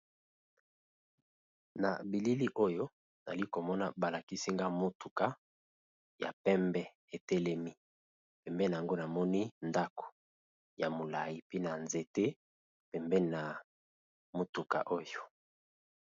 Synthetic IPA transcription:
na̰˨bi˨li˦li˦ʔo˦jo˦ | na̰˨li˦ko˨mɔ˦na˨ba˨la˨ki˦si˦ŋɡa˦mo˨tu˨ka˦ | ja̰˨pɛ˦mbɛ˦ | e˨tɛ˦lɛ˦mi˦ | pɛ˨mbɛ˦na˨ŋɡo˦na˨mɔ˦ni˦nda˦ko̥˨ | ja˨mo˨la˨ji˨pi˦na˨nze˨te˦ | pɛ˨mbɛ˦˨na˨ | mo˨tu˨ka̰˨ʔo˦jo˨

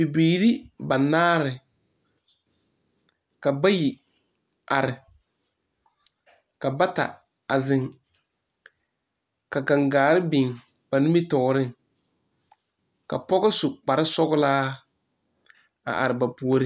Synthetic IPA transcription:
bi˨biː˨ɾi˦ba˨naː˦ɾɪ˨ | ka˨ba˦jɪ˨ | a˨ɾɪ˨ | ka˨ba˦ta̰˨ | a˨zɪ˨ŋ | ka˨ɡa˨ŋɡaː˨ɾɪ˦bi˨ŋ | b̥a˨nʊ˦mi˦tɔ˨ɾɪ˦ŋ | ka̰˨pɔ˦ɡɪ˦sʊ˨k͡pa˨ɾɪ˦sɔ˦ɡʊ˦laː˦ | a̰˨ʔa̰˨ɾɪ˨ba˨pu˨o˦ɾɪ˦

